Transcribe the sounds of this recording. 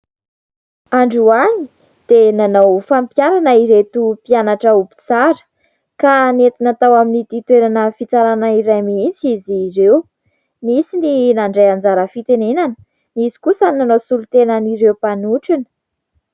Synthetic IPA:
aɳɖ͡ʐuaɲi | d̪̥enanawfampjaɾanəiɾet̪upianaʈ͡ʂəubi̥t͡saɾə̥ | kanet̪inat̪awaminit̪it̪weɾanəfit͡saɾanaiɾajmiisiziɾew | misininaɳɖ͡ʐejand͡zaɾəfit̪enenanə̥ | nizi̥kusənanowsulut̪enəniɾewpanuʈ͡ʂinə̥

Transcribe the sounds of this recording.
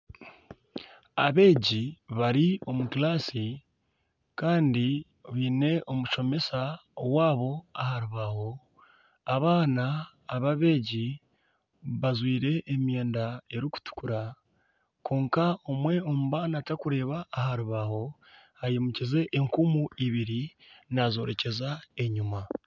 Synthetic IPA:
a̰βe̞ːɟiβaɾio̞mukilaːsi | kaːndi | βiːne̞ʔo̞muʃo̞me̞saowaːβo̞ahaɾuβaho̞ | aβaːnaː | βaβe̞ːɟi | βazwiːɾe̞ʔːmje̞ːndae̞ɾiku̥tu̥kuɾa | kʰo̞ːŋkao̞mwe̞o̞muβaːnatakuɾe̞ːβaːhaɾuβaho̞ | hajemucize̞ʔːŋkumuiβiɾi | nazo̞̰ːɾe̞ce̞zae̞ɲuma

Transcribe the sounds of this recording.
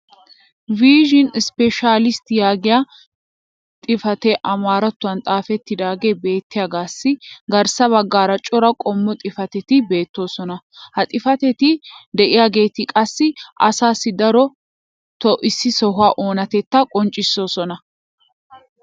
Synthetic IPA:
viːʒɪnspɛʃaːlɪst̪ɪjaːɡɪja | t̪ʼɪfɐt̪ɛʔɐmaːɾɐt̪ːʊɐnt̪ʼaːfɛt̪ːɪd̪aːɡeːbe̞ːt̪ːɪjɐɡaːsːɪɡɐɾsɐβɐɡːaːɾɐt͡ʃʼɔɾɐkʼɔmːɔt̪ʼɪfɐt̪ɛt̪ɪbe̞ːt̪ːo̞ːsɔnɐ | hɐt̪ʼɪfɐt̪ɛt̪ɪd̪ɛʔɪjaːɡe̞ːt̪ɪkʼɐsːɪʔɐ̰saːsːɪd̪ɐɾɔ | t̪ɔʔɪsːɪsɔɦʊaːʔo̞ːnɐt̪ɛt̪ːɐkʼɔnt͡ʃʼːɪsːo̞ːsɔnɐ

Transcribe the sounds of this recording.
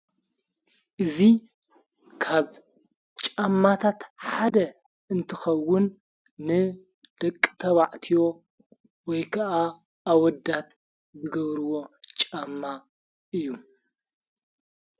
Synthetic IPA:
ʔɨzi | kʰaβ | t͡ʃʼamːat̪ʰat̪ħad̪ɐ | ɨnt̪ʰɨxɐwːʊnː | ɨ | d̪̥ɐkʼːɨ̥t̪ʰɐβaʕt̪ʰijo̞ | wɔjkʰɐʔaː | wɔd̪at̪ | zɨɡɐβɾɨwo̞t͡ʃʼamːa | ʔɨjːu

